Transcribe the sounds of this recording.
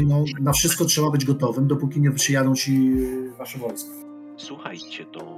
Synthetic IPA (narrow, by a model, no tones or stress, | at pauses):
nɔnafʂɘst̪̚kɔtʂɛbabɘd͡ʑɡɔt̪ɔvɘmd̪ɔpukʲiɲɛpʂɘjad̪ɔ̃w̃t͡ɕivaʂɛvɔlskʲi̥ | swuxa̰jt͡ɕɛt̪ɔ̰